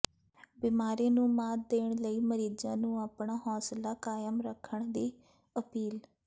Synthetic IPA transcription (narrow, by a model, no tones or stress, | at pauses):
biːmaːɾẽːnũːmaːd̪eːɳ̃ləiːməɾiːd͡ʒãːnũːaːpɳaːɦɔːslaːkaːjəmɾəkʰːəɳd̪eː | əpiːl